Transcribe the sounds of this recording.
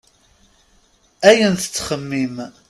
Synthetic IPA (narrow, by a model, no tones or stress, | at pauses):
æjənθə̥t͡sːχəmːim